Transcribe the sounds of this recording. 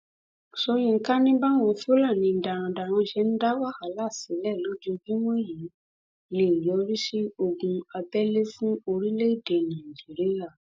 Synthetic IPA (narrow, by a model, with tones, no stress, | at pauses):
so˧j̃ĩ˧˦ka˦nĩ˦ba˦˨w̃ɔ̃˧fo˦la˦˨nĩ˧n̩˨da˨ɾ̃ã˨˧˨da˨w̃ɔ̃˧ʃɛ˧˦n̩˦da˦wa˦˨ha˨˦la˦˨si˨˦lɛ˦˨lo˦d͡ʒo˧d͡ʒũ˦w̃ɔ̃˦˨jĩ˨˦ | ne˨jɔ˨˦ɾi˦ʃe˦o˧ɡũ˧a˧bɛ˦le˦fũ˦o˧ɾi˦le˦i˦˨de˨nã˨d͡ʒi˨˦ɾi˦ja˦˨